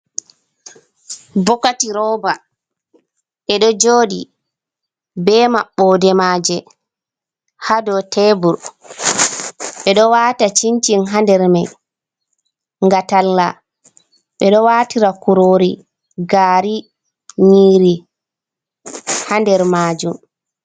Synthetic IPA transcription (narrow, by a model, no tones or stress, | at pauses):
bɔkatiɾɔːba | ʔɛɗɔd͡ʒoːɗi | bɛːmaɓːɔdɛmaːd͡ʒɛ | hadɔtɛbuɾ | ɓɛɗɔwaːtat͡ʃiɲt͡ʃinɦandɛɾmaj | ŋɡatalːa̰ | ɓɛɗɔwaːtiɾakuɾoːɾi | ɡaːɾi | ɲiːɾi | handɛɾmaːd͡ʒum